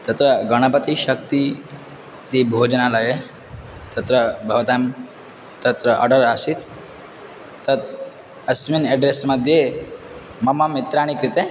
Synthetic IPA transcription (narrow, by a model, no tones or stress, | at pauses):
t̪ɐt̪ɾəɡɐɽ̃əpət̪iɕɐk̚t̪i | t̪iːbʱod͡ʒənalaje | t̪ɐt̪ɾəbʱɐʋt̪am | t̪ɐt̪ɾəʔə̰ɖəɾasit̪ | ɐt̪̚ | ɐsminɛɖɾesməd̪ʱje | mɐməmit̪ɾaːɽ̃ikɾit̪e